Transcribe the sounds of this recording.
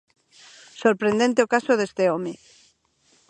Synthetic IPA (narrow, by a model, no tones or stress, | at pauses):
soɾpɾend̪ent̪eokasoðest̪eomi